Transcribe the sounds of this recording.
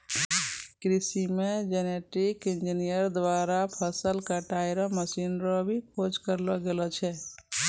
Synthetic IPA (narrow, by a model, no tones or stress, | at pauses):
kɾisimed͡ʒeneʈikind͡ʒinijəɾd̪ʋaɾapʰəsəlkaʈaiɾɔməsinɾɔbʱikʰod͡ʒkəɾlɔɡelɔt͡ʃʰɛ